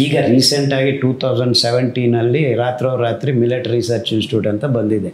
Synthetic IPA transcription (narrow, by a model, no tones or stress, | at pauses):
iːɡɐɾiːseɳʈaːɡiʈuːt̪ʰɐwd͡ʒɐɳɖsɛʋeɳʈiːnɐlːiɾaːt̪ɾɐʋɾaːt̪ɾimiliʈɐɾisɐɾt͡ʃinsʈuːɖent̪ɐbɐnd̪id̪e